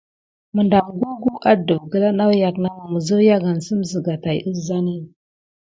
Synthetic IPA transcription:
mə˨nda˨mɡu˦ɡu˦ʔa˦də˨vɡə˦la˦na˦wja˨kna˦ma˨mə˨zə˦ja˦ɡa˨n˨sə˦mzə˨ɡa˨ta˨jʔə˦sza˦ni˦

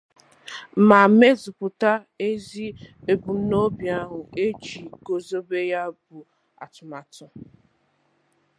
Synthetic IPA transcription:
ma˨me˦zʊ˨pʊ˨ta˦ | e˦zi˦e˨bu˨˦no˦bja˨˦ɦʊ˨e˦d͡ʒi˨ɡo˨zo˦be˦ja˦bʊ˨ | a̰˨tʊ˨ma˨tʊ˨

